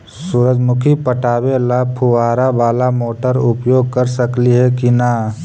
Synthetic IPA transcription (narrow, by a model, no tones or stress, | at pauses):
suɾəd͡ʒmʊkʰipəʈaːbelapʰuʋaːɾabaːlamoːʈəɾʊpjoːɡ̚kəɾsəkliɦɛkinaː